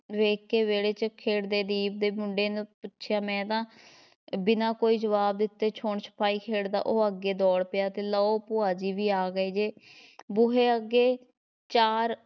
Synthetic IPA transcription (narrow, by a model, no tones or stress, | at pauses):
ʋeːkːeːʋeːɽeːt͡ʃəkʰeːɽd̪eːd̪iːb̚d̪eːmʊɳɖeːnpʊtːʃʰjaːmɛ̃ːt̪ãː | bɪnãːkoːiːd͡ʒəʋaːb̚d̪ɪt̪ːeːt͡ʃʰoːɳt͡ʃʰə̥pʰaːiːkʰeːɽd̪a̰ːʔoːəɡːeːd̪ɔːɽpɪjaːt̪eːləːoːpʊaːd͡ʒiːʋiːaːɡəeːd͡ʒeːbʊɦeːəɡeː | t͡ʃaːɾ